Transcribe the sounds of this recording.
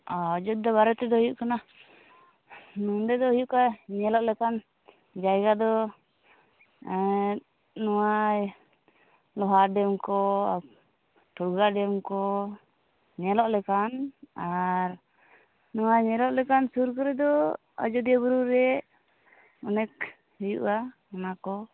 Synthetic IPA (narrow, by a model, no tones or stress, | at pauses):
ad͡ʒɔd̪̚ːɔβaɾɛt̪ɛd̪ɔɦujuʔkana | nund̪ɛd̪ɔɦujuʔkaɲɛlɔʔlɛkan | d͡ʒajɡad̪ɔ | nɔwaj | lɔɦaɖɛmkɔa | ʈʰuɾɡaɖɛmkɔ | ɲɛlɔʔlɛkanaɾ | nɔwajɲɛlɔʔlɛkansuɾkɔɾɛd̪ɔ | ə̰d͡ʒɔd̪iabuɾuɾɛ | ɔnɛk̚ | hujṵʔa | anakɔ